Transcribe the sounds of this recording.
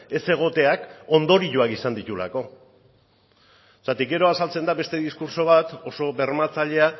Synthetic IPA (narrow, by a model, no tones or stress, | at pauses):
e̞se̞ɣ̞o̞t̪e̞ako̞nd̪o̞ɾiʎuakisand̪it̪ula̰ko̞ | sat̪ikɡe̞ɾo̞asalt͡se̞nd̪aβe̞st̪e̞ðiskuɾso̞β̞at̪o̞so̞βe̞ɾmat͡saʎe̞a